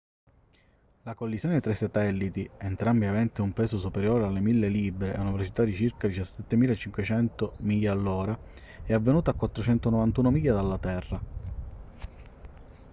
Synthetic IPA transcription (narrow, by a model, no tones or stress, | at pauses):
lakolːisjoːnet̪ɾasːat̪ɛlːit̪ient̪ɾambiavɛnt̪iumpɛːsosupeɾjoːɾealːemilːeliːbɾeɛunavelot͡ʃit̪ad̪it͡ʃirkad̪it͡ʃasːɛt̪ːemiːlaet͡ʃːiŋkwet͡ʃɛnt̪omiːʎːaːlːoːɾa | ɛavːenuːt̪akːwat̪ːɾot͡ʃɛnt̪onovant̪uːnomiːʎjad̪alːat̪ɛrːa